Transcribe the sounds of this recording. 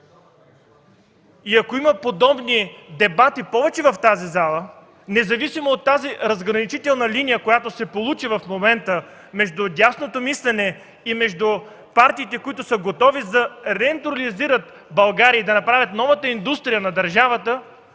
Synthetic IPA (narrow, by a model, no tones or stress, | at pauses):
iɐkoiməpod̪ɔbnid̪ɛbat̪ipɔvɛt͡ʃɛvɐft̪azizalˠə | nɛzɐvisimoːt̪ːaziɾɐzɡɾɐnit͡ʃit̪ɛlˠnəlinijəkojat̪osɛpolˠut͡ʃivɐfmomɛnt̪ə | mɛʒd̪ʊdʲasnot̪omislɛnɛ | imɛʒd̪u | paɾt̪iːt̪ɛkoit̪ʊsəɡot̪ɔvizɐɾɛːnt̪ɾoliziɾət̪ | bɐlˠɡaɾiəid̪ɐnɐpɾavʲət̪nɔvət̪əind̪ust̪ɾijənɐd̪ɐɾʒavət̪ə